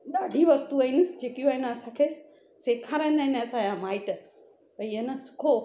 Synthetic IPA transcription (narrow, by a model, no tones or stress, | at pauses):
ɗaːɖʱiʋɐst̪uaːɦɪnɪ̆d͡ʑeːkjũaːɦɪnɪɐsãkʰeː | seːkʰaːɾãĩnd̪aːɦɪ̃neɐsãjãmaːɪʈ | pɐiənəsʊ̥kʰo